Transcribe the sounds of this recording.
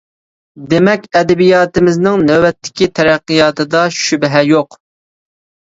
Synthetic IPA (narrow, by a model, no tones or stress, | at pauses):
d̪emɛkʲɛd̪ɛbijɑːt̪ɪmɪznɪŋnɛwɛt̪ʰːɪ̥kʲit̪ʰɛɾæqːɨjɑːt̪ɨd̪ɑʃybɦɛjoq